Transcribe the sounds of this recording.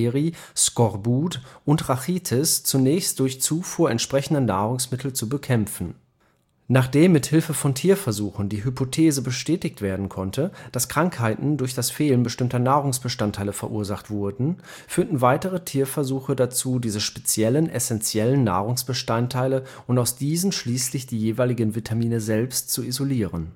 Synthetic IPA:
ʁi | skɔʁbuːtʔʊntʁaχiːtʰɪst͡sunɛːçst̚d̥ʊɐçt͡suːfuːɐʔɛntʃpʁ̥ɛçn̩dɐnaːʁ̞ʊŋsmɪtʰl̩t͡subəkʰɛmfn̩ | naːχd̥eːmːɪthɪlfəfɔntʰiːɐfɛɐzuːxn̩diːɦypotʰeːzəbəʃtɛːtɪçtv̥eːɐdn̩kʰɔntʰəd̥askʁ̥aŋkhaɪtn̩dʊɐçd̥asfeːlənbəʃtɪmtɐnaːʁ̞ʊŋsb̥əʃtantʰːaɪləfɛɐʔuːɐzaχtv̥ʊɐdn̩ | fyːɐtn̩vaɪtəʁ̞ətʰiːɐfɛɐzuːxədat͡suːdiːzəʃpɛt͡sjɛlənʔɛsɛnt͡sjɛlənːa̰ːʁ̞ʊŋsb̥əʃtantʰːaɪlə | ʔʊntaʊsd̥iːzn̩ʃliːslɪçd̥iːjeːvaɪlɪɡənvitʰamiːnəzɛlpstt͡suizoliːʁən

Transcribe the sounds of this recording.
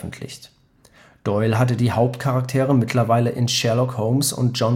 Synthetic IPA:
n̩tʰlɪ̰çt | d̥ɔʏlɦat̬ədiːhaʊp̚tkʰaʁak̚tʰeːʁəmɪtʰlɐvaɪləʔɪnʃɛɐlɔkhoʊmsʊ̰nt̚d͡ʒ̥ɔn

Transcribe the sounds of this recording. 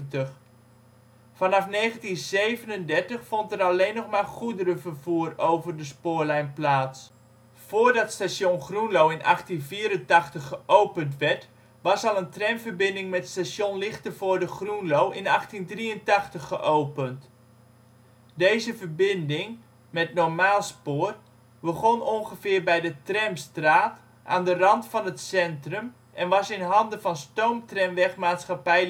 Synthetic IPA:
təx | fɑnɑfneːχəntinzejvənəndɛɹtəχfɔntəɾaleːnːɔχmaːχudəɾəvərvuːərowvərdəspʊːɹlɛjnplaːts | foːrdɑtstasjonχrunlowɪnʔɑ̰χtinviːɾəntɑχtəχːəʔowpəntʋɛɹt | ʋɑsɑlˠəntrɛmvərbɪndɪŋmɛtstasjonlɪχtəvoːdəχrunlowʔɪnɑχtindriəntɑχtəχːəʔowpənt | dejzəfəbɪndɪŋ | mɛtnɔɹmaːlˠspoːər | bəχonɔŋχəfɪːrbɛjdətrɛmstraːt | ʔa̰ːndərɑntfɑnətsɛntrəm | ʔɛnʋɑsɪnɦɑndəfɑnstowmtrɛmʋɛχmaːtsχapɛj

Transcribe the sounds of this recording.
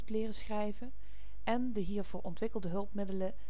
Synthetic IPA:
tlɪːrəsχrɛjvə | ʔɛndəɦiːɹv̥ʊːɹʔɔntʋɪkəlˠdəɦɵlˠpmɪdələ

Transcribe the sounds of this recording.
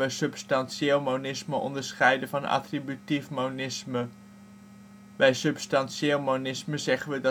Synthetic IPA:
əsɵpstɑnseːlˠmownɪsməʔɔ̰ndəɹsχɛjdəvɑnɑ̰tribytifmonɪsmə | bɛjsɵpstɑnʃeːlˠmownɪsməzɛχənʋədɑ

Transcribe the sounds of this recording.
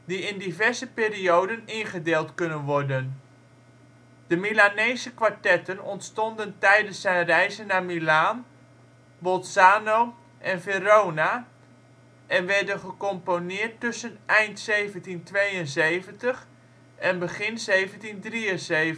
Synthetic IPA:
diɪndivɛɹzəpɪːriowdənɪnχədeːlˠtkɵnənʋɔɹdən | d̥əmilanejzəkʋaɹtɛtənɔntstɔndəntɛjdənsɛjnrɛjzənːamilaːn | bɔlˠsaːnow | ʔɛnverowna | ʔɛnʋɛɹdənχəkɔmponɪːɹtːɵsənʔɛjntsejvəntintʋejənzejvəntəχ | ɛnbəχɪnzejvəntindriənze

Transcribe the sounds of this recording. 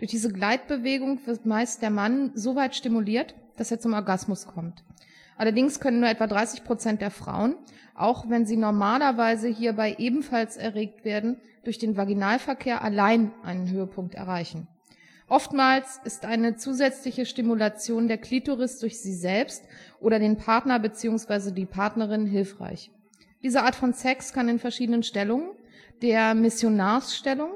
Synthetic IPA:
d̥ʊɐçd̥iːzəɡlaɪt̚b̥əveːɡʊŋv̥ɪɐtmaɪst̚d̥eːɐmanzovaɪtʃtimuliːɐtd̥aseːɐt͡sʊmɔɐɡasmʊskʰɔmt | ʔalɐdɪŋskʰœnənːuɐɛtv̥adʁaɪsɪçpʁ̥ot͡sɛntd̥eːɐfʁ̥a̰ʊən | ʔa̰ʊxv̥ɛnziːnɔɐmaːlɐvaɪzəɦiːɐbaɪʔeːbm̩falsɛɐʁeːk̚tv̥eːɐdn̩ | d̥ʊɐçd̥eːnvaɡinaːlfɛɐkʰeːɐʔalaɪnʔa̰ɪnənɦøːəpʰʊŋk̚tɛ̰ɐʁ̞aɪçn̩ | ʔɔftmaːlsɪstʔaɪnət͡suːzɛt͡slɪçəʃtimulat͡sjoːndeːɐkʰl̥ituʁɪsd̥ʊɐçz̥iːzɛlpstʔoːɾɐdeːnpʰaɐtnɐbət͡siːʊŋsv̥aɪzədiːpʰaɐtnəʁ̞ɪnɦɪlfʁ̥a̰ɪç | d̥iːzəʔaːɐtfɔnsɛkskʰanɪnfɛɐʃiːdənənʃtɛlʊŋən | d̥eːɐmɪsjonaːɐsʃtɛlʊŋ

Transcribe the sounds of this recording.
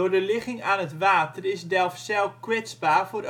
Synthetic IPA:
ʊrdəlɪxɪŋaːnɦətʋaːtərɪsdɛlˠfsɛlˠkwɪt͡sbaːrfoɾ

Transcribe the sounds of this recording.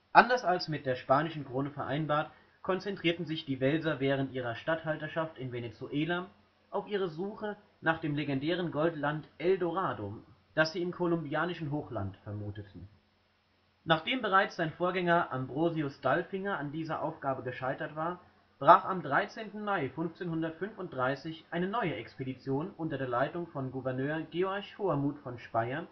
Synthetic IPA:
ʔandɐsalsmɪt̚d̥eːɐʃpaːnɪʃn̩kʁ̥oːnəfɛɐʔaɪnbaːɐt | kʰɔnt͡sɛntʁ̥iːɐtn̩zɪçd̥iːvɛlzɐvɛːʁ̞əntʔiːʁ̞ɐʃtathaltɐʃaftɪnvenet͡suʔeːla | ʔaʊfʔiːʁ̞əzuːχə | naːχd̥eːmleɡɛndɛːʁ̞ənɡɔltlantʔɛldoʁaːdod̥asz̥iːɪmkʰolʊmbiaːnɪʃn̩ɦoːxla̰ntfɛɐmuːtətʰn̩ | naːχd̥eːmbəʁ̞aɪt͡sz̥aɪnfoːɐɡɛŋɐʔambʁoːziʊsd̥alfɪŋɐandiːzɐʔa̰ʊfɡ̥aːbəɡəʃaɪtɐtv̥aːɐ | b̥ʁaːχamdʁaɪt͡seːntn̩maɪfʏnft͡seːnhʊndɐtfʏnfʊnt̚d̥ʁaɪsɪçʔaɪnənɔʏəʔɛkspedit͡sjoːnʔʊntɐdeːɐlaɪtʊŋfɔnɡuvɛɐnøːɐɡeːɔɐçhoaɐmuːtfɔnʃpaɪɐn

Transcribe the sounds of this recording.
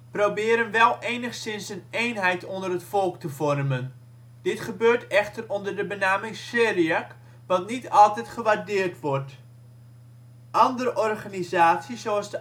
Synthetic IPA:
prowbɪːəɾənʋɛlˠʔeːnəχsɪnsənejnɦɛjtʰondərətfɔlˠktəvɔrmən | d̥ɪtχəbøːrtɛχtərɔndərdəbənaːmɪŋseːriak | ʋɑtnitɑlˠtɛjtχəʋardɪːərtʋɔrt | ʔɑndəɾəʔɔrχanizaːtsəzoɑsdə

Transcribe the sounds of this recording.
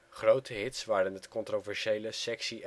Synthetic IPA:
χrowtʰəɦɪtsʋaːɾənɦətkɔntrovɛɹʃejləsɛksiʔ

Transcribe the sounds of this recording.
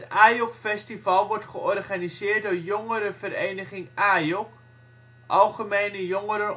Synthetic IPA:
taːjɔkfɛstivɑlˠʋɔrtχəʔɔrχanisɪːrt̚dʊːrjoŋəɾəvəɾejnəχɪŋʔaːjɔk | ʔɑlˠχəmejnəjɔŋəɾə

